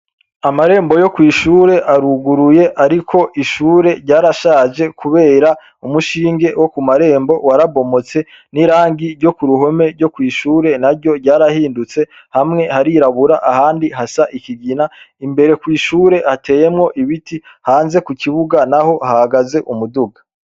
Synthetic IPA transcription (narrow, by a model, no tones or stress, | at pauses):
amaɾe̞ːmbo̞jo̞kwiːʃuːɾe̞ʔaɾuɡuɾuje̞ʔaɾikʰo̞ʔiʃuːɾe̞ɾɟaːɾaʃaːʒe̞kʰuβe̞ːɾa | umuʃiːŋɡe̞wo̞kumaɾe̞ːmbo̞waɾaβo̞mo̞t͡se̞ | niɾaːŋɡiɾɟo̞kuɾuɦo̞me̞ɾɟo̞kwiːʃuːɾe̞naɾɟo̞ɾɟaːɾahiːndut͡se̞ | hamŋe̞haɾiɾaβuɾaʔahaːndiɦasaʔikiɡinaimbe̞ɾe̞kwiːʃuːɾe̞hate̞ːje̞mŋo̞ʔiβiti | haːnze̞kuciβuɡanaho̞hahaɡaze̞ʔumuduɡḁ